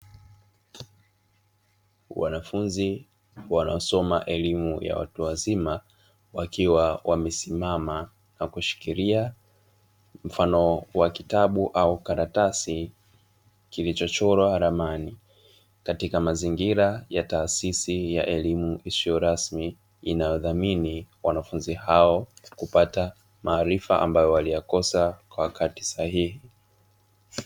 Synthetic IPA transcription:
wa̰nafunzi | wanaɔsɔmaʔɛlimuja̰wa̰tuazima | wakʰiwawamɛsimama | nakuʃi̥kiɾia | m̩fanɔwakitaɓuʔaukaɾatasi | kilit͡ʃɔt͡ʃɔɾwaɾamani | katikamaziŋɡiɾajataːsisijaʔɛlimuʔisijɔɾasmiː | najɔðaminiwanafunzihaɔkupata | maːɾifa̰ʔa̰mbajɔwalijakɔsakwawakati̥sahihi

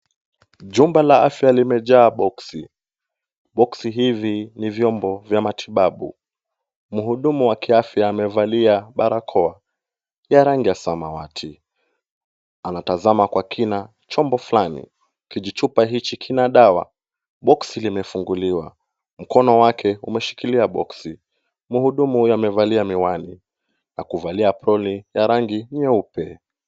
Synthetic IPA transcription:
ʄumbalaafjalimɛʄaːɓɔksi | ɓɔksiɦivinivjɔmbɔvjamatʰiɓaɓṵ | m̩ɦuɗumuwakiafjaːmɛvaliaɓaɾakʰɔa | jaɾaŋɡiasamawatʰi | anatazamakwakʰina | t͡ʃɔmbɔflanḭ | kiʄit͡ʃupaɦit͡ʃikʰinaɗawa̰ | ɓɔksilimɛfuŋɡuliwa̰ | m̩kɔnɔwakʰɛumɛʃi̥kiliaɓɔ̰ksi | muhuɗumuhujamɛvaliamiwani | na̰kuvaliapɾɔlijaɾaŋɡiɲɛupɛ

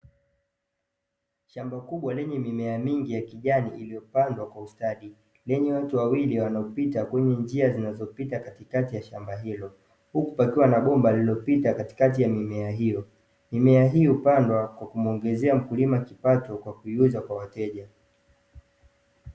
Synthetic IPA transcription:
ʃambakuɓwalɛɲɛmimɛamiŋɡijakiʄaniʔilijɔpandwakwaustaɗi | lɛɲɛwatuwawiliwanaɔpitakwɛɲɛnd͡ʒiazinazɔpitakatikatijaʃambaɦilɔ | hukupakiwanaɓɔmbalilɔpitakati̥kat̬ijamimɛaɦijɔ | mimɛaɦiupandwakwakumɔŋɡɛzɛam̩kulimakipatɔkwakuiuzakwawatɛʄa

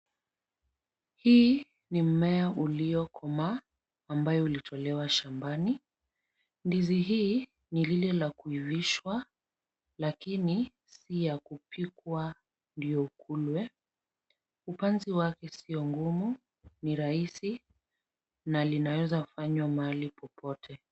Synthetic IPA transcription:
hiː | nim̩mɛaʔuliɔkʰɔmaː | mbajɔulitʰɔlɛwaʃambani | ndiziɦiː | nililɛlakuiviʃwa | lakini | sijakupʰikwa | ndijɔukʰulwɛ | upanziwakɛsiɔŋɡumu | niɾaisi | nalinawɛzafaɲwamaalipʰɔpʰɔtʰɛ

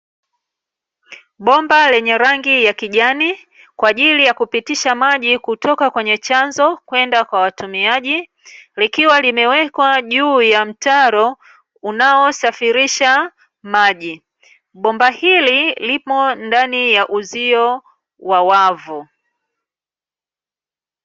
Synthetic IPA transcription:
ɓɔmbalɛɲɛɾaŋɡijakiʄani | kwaːʄilijakupitiʃamaʄikutɔkakwɛɲɛt͡ʃanzɔkwɛndakwawatumiaʄi | likiwalimɛwɛkwaʄuːjam̩taɾɔ | unaɔsafiɾiʃa | maʄi | ɓɔmbahililipɔndanijaʔuziɔ | wawavu

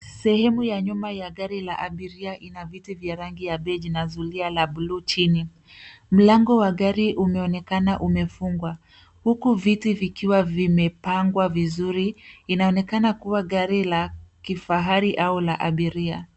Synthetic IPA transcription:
sɛhɛmujaɲumajaɠaɾilaʔaɓiɾiaʔinavitivjaɾaŋɡijaɓɛʄinazulialaɓulut͡ʃini | m̩laŋɡɔwaɣaɾiʔumɛɔnɛkanaʔumɛfuŋɡwa | hukuvitivikiwavimɛpaŋɡwavizuɾiːnaɔnɛkanakuwaɠaɾilakifaɦaɾiʔaulaʔaɓiɾia

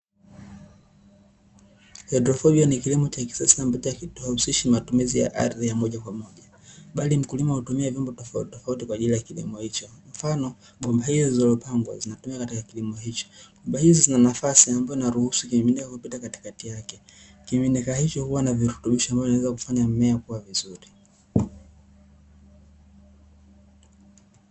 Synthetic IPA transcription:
hɛdɾɔfɔɓianikilimɔt͡ʃaki̥saslam̩pitajakitusiʃimatumizija̰ʔa̰ɾðijamɔʄakwamɔʄa | ɓalim̩kulimahutumiavjɔmbɔtɔfatɔfautikwaːʄilijakilḭmɔhit͡ʃɔm̩fanɔ | ɓɔmbahizizizɔlɔpaŋɡwa̰zinatumiakatikakilimɔhit͡ʃɔ̥ɓɔmbahizizinanafasiambajɔinaɾuhusukiminikakupitakati̥katijakɛ | kiminikahit͡ʃɔhuwanaviɾutuɓiʃɔambajinawɛzakufaɲam̩mɛakuwavizuɾi

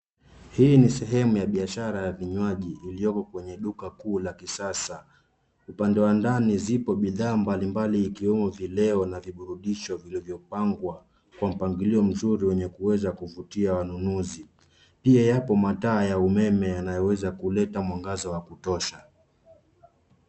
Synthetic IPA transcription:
hiːnisɛɦɛmujaɓiaʃaɾajaviɲwaʄiːlijɔkɔkwɛɲɛɗukakuːlakisasa | upandɛwandanizipɔɓiðaːmbalimbaliːkiwɛmɔvilɛɔnaviɓuɾuɗiʃɔvilivjɔpaŋɡwa | kwam̩paŋɡiliɔm̩zuɾiwɛɲɛkuwɛzakuvutiawanunuzi | piajapɔmataːjaumɛmɛjanajɔwɛzakulɛtamwaŋɡazɔwakutɔʃa

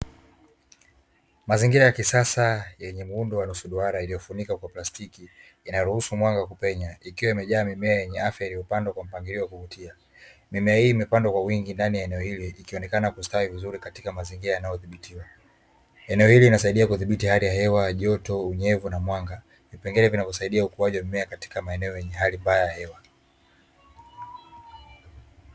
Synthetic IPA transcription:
maziŋɡiɾajakisasajɛɲɛm̩undɔwanusuɗuaɾailijɔfunikakwaplastikiː | naɾuhusumwaŋɡakupɛɲaikiwaimɛʄaːmimɛajɛɲɛafjailiɔpandwakwam̩paŋɡiɾiɔwakuvutia | mimɛahiːmɛpandwakwawiŋɡindanijaɛnɛɔhiliikiɔnɛkanakustawivizuɾikatikamaziŋɡiɾajanajɔθiɓitʰiwa | ɛnɛɔhiliinasaiɗiakuðiɓitihalijahɛwaʄɔtɔuɲɛvunamwaŋɡa | vipɛŋɡɛlɛvinavɔsaiɗiaukuaʄiwamimɛakati̥kamaɛnɛɔjɛɲɛɦalimbajajahɛwa

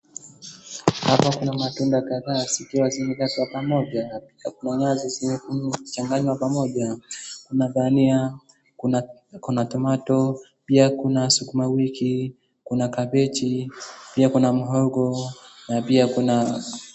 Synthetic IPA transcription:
hapakunamatundakaðaːsikiwaziɲɛkatapamɔʄapiakunaɲaziziɛt͡ʃaŋɡaɲwapamɔʄakunaɓania | kunatɔmatɔ | piakunasukumawiki | kunakaɓɛt͡ʃipiakunam̩ɦɔɡɔnapiakuna

